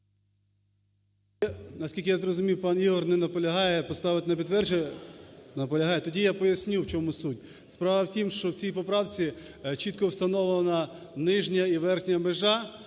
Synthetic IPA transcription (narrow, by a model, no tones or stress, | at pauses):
nɐsʲkʲilʲkʲɪjazrɔzʊmʲiwpɑnjiɦɔrnɛnɐpɔlʲɐɦɑjɛpɔst̪ɑʋɪt̪enɐpʲid̪ʋɛrd͡ʒɪj | nɐpɔlʲɐɦɑjɛt̪ɔdʲijapɔjɐsʲnʲiwt͡ʃɔmusutʲ | spɾɑʋɐwtʲimʃt͡ʃɔwt͡sʲijpɔpɾɑwt͡sʲit͡ʃit̪̚kɔwst̪ɐnɔʋlnɐ | nɪʒnʲɐiʋɛrxnʲɐmeʒɑ